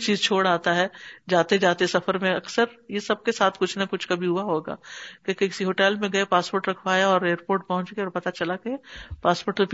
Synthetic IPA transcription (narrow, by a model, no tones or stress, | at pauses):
t͡ʃiːzt͡ʃʰoːɽaːt̪aɦɛːd͡ʒaːt̪ed͡ʒaːt̪eɛsɐfəɾmẽɐksəɾjesɐb̚kesaːt̪ʰkʊt͡ʃʰnakʊt͡ʃʰkabʱiɦʊaɦoːɡa̰ːkõkekɪ̥siɦoːʈɛːlmẽɡɐepaːspoːɾʈɾɐkʰbaːjaɔːɾeːɾpoːɾʈ̚pɐɦʊ̃nt͡ʃɡɐeɔːɾpɐt̪at͡ʃɐlakeepaːspoːʈt̪op